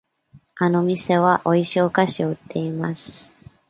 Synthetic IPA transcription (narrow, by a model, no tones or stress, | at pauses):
ano̞mʲise̞βaʔo̞iɕioːkaɕio̞ɯ̟t̪ːe̞imasɨ̥